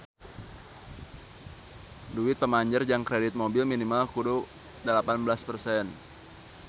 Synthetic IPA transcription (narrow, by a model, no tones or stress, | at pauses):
duɪt̪̚pəmaɲd͡ʒərd͡ʒaŋkɾedɪt̪̚mobɪlminimalkudu | dəlapanbəlaspərsɛn